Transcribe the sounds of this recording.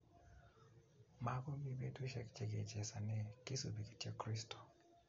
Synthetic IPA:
ma˦ɡɔ˦mi˦be˦dwu˦ʃɛ˦kt͡ʃe˨ɡḛ˨d͡ʒɛ˨sa˨nɛ˦kɪ˦su˨bi˨ɡi̥˨tjo˦kɾi˦stɔ̥˨

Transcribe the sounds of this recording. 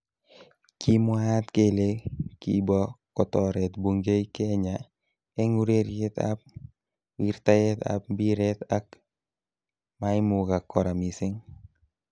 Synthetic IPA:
ki˦mwa˦t̪ke˦le˦kḭ˨bɔ˦kɔt̪ɔɾɛt̪bu˨ŋɡe˦jke˦ɲa | ɛ˦ŋu˦ɾe˦ɾjɛ˦t̪a̰p̚ | wiɾt̪a˦jɛt̪a̰p̚bi˦ɾɛt̪a˦k | mai˦muɡa˨kɔ˨ɾa˨misɪ˦ŋ

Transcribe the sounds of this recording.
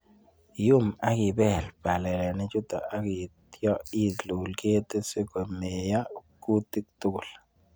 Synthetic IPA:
jʊ˦ma˨˦kɪ˨bɛ˦˨lpa˨lɛ˨lɛ˨nɪ˦t͡ʃʊ˦t̪ɔ̰˨ʔa˦kɪ˨t̪jɔ˦i˦˨tlu˨lke˦t̪e˦se˦ko˨me˨ja˦˨ku˦t̪i˦k̚t̪u˦ɡʊ˨l

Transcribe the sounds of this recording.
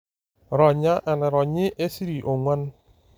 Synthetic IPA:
ɾɔ˨ɲa˦ʔɛ˨nɛ˨ɾɔ˨ɲɪ˦ʔe˦si˦ɾi˨ʔo˨ŋʷa˦n˦

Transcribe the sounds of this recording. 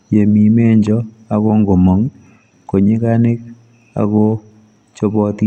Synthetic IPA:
je˨mi˨me˦ɲd͡ʒɔ˦ | a˨ko˦ŋɡo˨mɔ˨ŋ | ko˨ɲe˦ka˦nɪ˦k̚ | a̰˨kɔ˦ | t͡ʃo˦bɔ˦ti˦

